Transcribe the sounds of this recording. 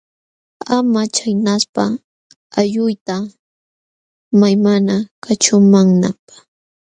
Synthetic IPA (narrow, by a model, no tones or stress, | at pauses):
amat͡ʃajnaspa | aʎʊjt̪a | majmanakat͡ʃʊmaŋnapḁ